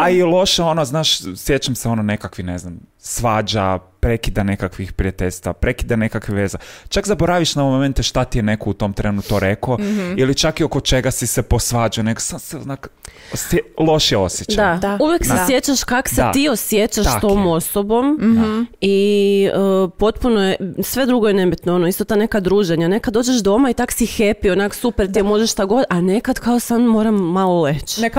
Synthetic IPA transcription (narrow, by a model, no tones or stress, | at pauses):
ailˠo̞ʃeo̞noznaːʃsje̞t͡ʃamseo̞nonekakʋineznamsʋaːd͡ʒa | pɾekid̪ane̞kakʋixpɾiat̪eʎʲst̪ʋapɾe̞kid̪anekakʋiʋeːzat͡ʃakzaboɾaʋiʃnaoʋomoment̪eʃt̪at̪ijene̞kout̪o̞mt̪ɾenut̪oɾe̞koilit͡ʃakiokot͡ʃeɡasisepo̞sʋaːd͡ʒujneɡosaseonak | selˠo̞ʃijeo̰sjet͡ʃdd̪auʋje̞ksesje̞t͡ɕaʃkaksseiosjet͡ɕaʃt̪o̞mmo̞sobo̞m | iəpo̞t̪punojesʋe̞d̪ɾuɡo̞jene̞bit̪noo̞noist̪ot̪ane̞kad̪ɾuːʒe̞ɲane̞kad̪oːd͡ʒeʃd̪o̞mait̪aksixepionaksupeɾt̪iemo̞ʒeʃʃt̪aɡo̞d̪ane̞kad̪kaosanmo̞ːɾamːalˠolet͡ʃ